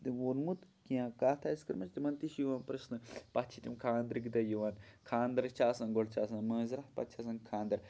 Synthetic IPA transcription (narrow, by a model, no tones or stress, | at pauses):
t̪iwoɾmut̪kiãːkaːt̪ʰaiskɐɾmɐt͡ʃt̪imɐnt̪iʃjuʋaːnpɾɐsnɨpɐt̪t͡ʃʰit̪ʲimkʰaːnd̪ɾiɡd̪ɐjuʋaːnkʰaːnd̪ɐɾt͡ʃaːsɐnɡoɽt͡ʃaːsɐnmɐːziɾat̪̚pɐ̰t̪t͡ʃʰasɐnkʰaːnd̪ɐɾ